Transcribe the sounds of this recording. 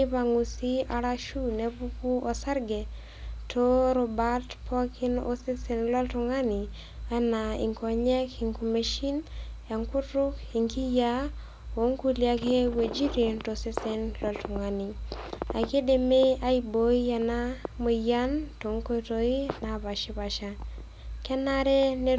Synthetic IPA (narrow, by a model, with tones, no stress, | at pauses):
ɪ˦pa˨ŋu˨si˦a˨ɾa˦ʃu˦ne˦pu˦ku˦o˨sa˦ɾɡɛ˨ | tʰo˦ɾo˨ba˦tpʰɔ˦kʰɪ˦no̰˦sɪ˦sɛ˨˦nlɔ˦ltu˨ŋa˦ni˨ | a˦na˨ḭ˨ŋkɔ˨ɲɛ˦ki˨ŋku˨me˨ʃi˦nja˨ŋkʊ˦tɾʊ˦ki˨ŋki˦ja˦ | o˨˦ŋku˦lja˦ke˦we˨d͡ʒi˦ɾe˨nto˨sɪ˦se˦nlɔ˨ltʊ˨ŋa˨ni˨a̰˨ke˦de˨me˦a˦i˨bo˦i˦ja˨na˦mo˨ja˦nto˨ŋko˦to˦i˦na˨pa˨ʃi˦pa˨ʃa˦ | kɛ˦na˦ɾɛ˦ne˦